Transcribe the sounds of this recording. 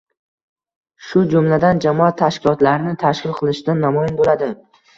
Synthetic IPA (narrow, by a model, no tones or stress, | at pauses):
ʃʊd͡ʒʊmlad̪and͡ʒamɒat̪ʰːaʃkʲʰɪlɒt̪laɾnɪt̪ʰaʃkʲɪlˠqʰɨlˠɪʃɪd̪anːamɒjɪnbolad̪ɪ